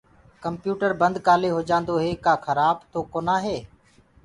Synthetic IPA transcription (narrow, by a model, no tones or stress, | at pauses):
kəmpjuːʈəɾbənd̪kaːleːɦoːd͡ʒãːnd̪oːɦeːkaːxʰəɾaːbt̪oːkoːnãːɦeː